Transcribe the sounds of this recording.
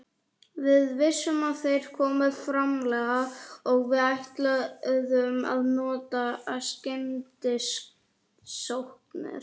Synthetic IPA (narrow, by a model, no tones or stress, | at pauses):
vɪðvɪsːʏmaðθejɾ̥kʰɔːmɪðfɾamlɛːɣaɔɣvɪðajht̪laðʏma̰ðnɔːt̪ascɛnt̪ɪsk | sowhknɪ̰ɾ̥